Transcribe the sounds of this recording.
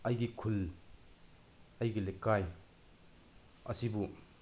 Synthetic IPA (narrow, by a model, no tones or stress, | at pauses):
ɐjɡikʰul | ɐjɡilekːaj | ɐsibu